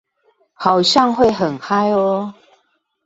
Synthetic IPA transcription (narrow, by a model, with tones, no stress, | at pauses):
hɑ˨˩ʊɕjɑ˥˨ŋxwe˥˨ɪɦə˨˩nxa˦ɪɔ˧˦